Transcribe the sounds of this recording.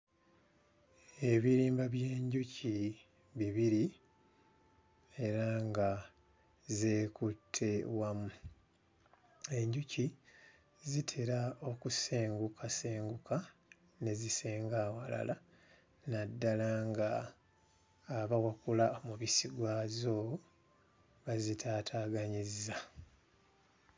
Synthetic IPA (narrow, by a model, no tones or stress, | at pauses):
e̞βiɾiːmbaβje̞ːɲɟucʰi | βiβiɾi | e̞ɾaŋɡa | ze̞ːkutʰːe̞wamu | e̞ɲɟucʰi | zitʰeɾao̞kuse̞ːŋɡukʰaseːŋɡuka | ne̞ziseːŋɡawala̰la | nadːalaŋɡa | βawakulaomuβisiɡwaːzo̞ | βazitʰaːtʰaːɡaɲizza